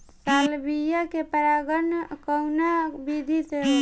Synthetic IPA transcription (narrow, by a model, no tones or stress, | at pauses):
t̪aːlbijakepəɾaːɡənkəwnabid̪ʱit̪